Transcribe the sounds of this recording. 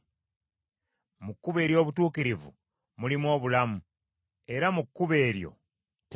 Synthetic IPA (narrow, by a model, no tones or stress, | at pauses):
mukːuβe̞ːɾjo̞ːβutuːkiɾivṵ | mulimwo̞ːβulamu | e̞ɾamukːuβe̞ːɾjo̞̰ | t